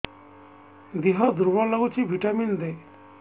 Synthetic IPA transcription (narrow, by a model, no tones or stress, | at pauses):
d̪iɦɔd̪uɾbɔlɔɡut͡ʃʰibʱiʈamind̪e